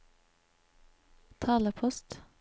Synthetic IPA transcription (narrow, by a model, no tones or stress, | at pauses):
t̪ʰɑːləpʰɔst̪